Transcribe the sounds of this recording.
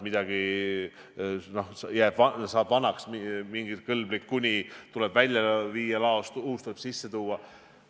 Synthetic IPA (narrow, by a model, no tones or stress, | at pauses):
mid̪̥ɑɡ̥i | no̞hsjæːb̥vɑsɑːb̥vɑnɑksmimiŋɡ̥ikɤlblikːunʲit̪ulɛ̞b̥vælʲjɑviːjɑlɑost̪uuːt̪uleb̥sisːe̞t̪uːɑ